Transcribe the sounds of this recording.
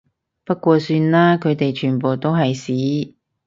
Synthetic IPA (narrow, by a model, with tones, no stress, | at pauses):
pɐ˥kʷɔː˧syː˧nlaː˥kʰɵ˨˧t̪e˨jt͡ʃʰyː˨˩npoː˨wt̪o˥wɦɐ˨jsiː˨˥